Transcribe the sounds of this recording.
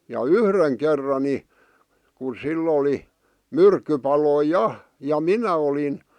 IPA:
jɑ yhreŋ kerːɑ ni ku silː oli myrkːypɑloi jɑ jɑ minæ olin

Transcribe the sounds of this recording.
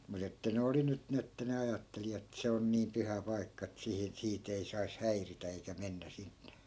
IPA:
mut etːæ ne oli nyt ni etːæ ne ɑjɑtːeli etːæ̆ se on niːm̆ pyhæ pɑi̯kːɑ et sihin siːt ei sɑis hæiritæ eikæ menːæ sinn̥e̥

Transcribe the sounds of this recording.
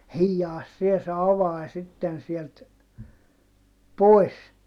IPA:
hiːjːɑːs sie se ɑʋɑi sitːen sielt poi̯s

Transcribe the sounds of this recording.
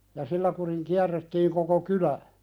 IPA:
jɑ silːæ kuriŋ kiærːetːiːŋ koko kylæ

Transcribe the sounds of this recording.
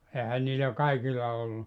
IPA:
eːhæn niːlæ kɑikilːɑ olːu

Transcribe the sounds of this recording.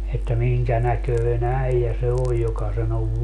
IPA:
etːæ miŋkæ nækøin æijæ se oj jokɑ sen oʋ

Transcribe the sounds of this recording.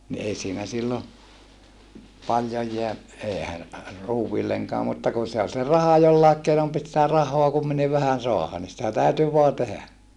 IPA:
ni ei siːnæ silːo pɑljoj jeæ eːhæ ruːwʋilːeŋkɑː mutːɑ kun̞ se ol se rɑhɑ jolːɑˑek keinom pit sĭtæ rɑhˑoɑ kumːiniʋ ʋæhæn soɑhɑ ni sitæ tæˑyty ʋoɑ tehæ

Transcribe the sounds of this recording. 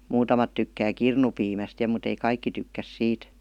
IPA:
muːtɑmɑt tykːæː kirnupiːmæst jɑ mut ei kɑikːi tykːæs siːt

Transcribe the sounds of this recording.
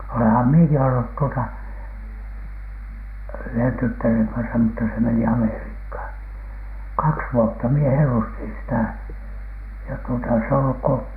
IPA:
olehɑm mieki olːut tuotɑ yhen tytːæreŋ kɑnsɑ mutːɑ se meni ɑmeriːkhɑˑn kɑks ʋuotːɑ mie helːustin sitæˑ jɑ tuotɑ s e olːuk ko

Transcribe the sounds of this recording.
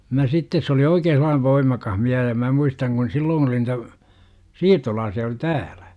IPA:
mæ sitːes se oli oikeː selˑɑːn ʋoimɑkɑh miæh jɑ mæ muistɑŋ kun silːoːn oli nitæ siːrtolɑːsiɑ oli tæːl̥æ̥

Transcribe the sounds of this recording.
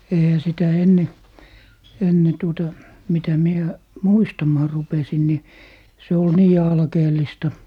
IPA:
eihæ sitæ enːe enːe tuotɑ mitæ mie muistɑmɑː rupesin ni se ol niː ɑlkeːlˑistɑ

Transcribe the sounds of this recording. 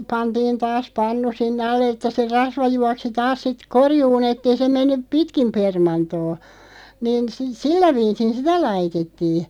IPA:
pɑntiːn tɑːs pɑnːu sinːĕ ɑlˑe ĕtːæ se rɑsʋɑ juɑksi tɑːs sit korjuːn etː ei se menːyp̆ pitkim permɑntoː niːn si silːæ ʋiːsin sitæ lɑitetːiːn̥

